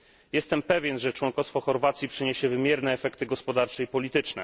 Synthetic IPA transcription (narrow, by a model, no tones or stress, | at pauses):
jɛst̪ɛmpɛvʲjɛnʐɛt͡ʂwɔŋkɔst̪fɔxɔɾvat̪sʲjipʂɘɲeɕɛvɘmʲjɛɾnɛːfɛkt̪ɘɡɔspɔd̪aɾt͡ʂɛipɔlʲit̪ɘt͡ʂnɛ̰